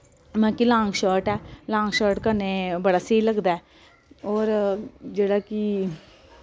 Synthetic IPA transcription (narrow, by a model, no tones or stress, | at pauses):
mɛ̃ːkilãːŋɡʃəːɾʈɛːlãːŋɡʃəːɾʈkəneːbəɽaːseːiləɡd̪aɛː | ɔːɾd͡ʒeːɽaːkɪ